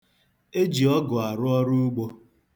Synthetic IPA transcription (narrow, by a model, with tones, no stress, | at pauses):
e˦d͡ʒi˨ɔ˦ɡʊ˨a˨ɾʊ˦ɔ˦ɾʊ˦u˦ɡ͡bo˦